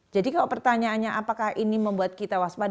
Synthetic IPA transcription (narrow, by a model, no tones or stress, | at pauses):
d͡ʒadikalapərt̪aɲaːnɲaʔapakahiniməmbuat̪̚kit̪awaspa